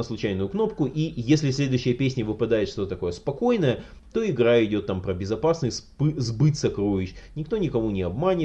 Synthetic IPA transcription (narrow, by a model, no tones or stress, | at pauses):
əslˠʊt͡ɕæjnʊjʊkno̞pkʊʔijesʲlʲɪfsʲlʲe̞d̪ʊjɕːɪjəpʲesʲnʲəvɨpɐd̪ajɪt̪ʂt̪o̞t̪ət̪ɐko̞jəspɐko̞jnəjə | t̪o̞ɪɡɾaɪdʲo̞t̪ːampɾəbʲɪzɐpasnɨsʲspɨzbɨt̪ʲsɐkɾojʲɪɕnʲɪk̚t̪o̞nʲɪkɐmunʲɪɐbmanʲɪ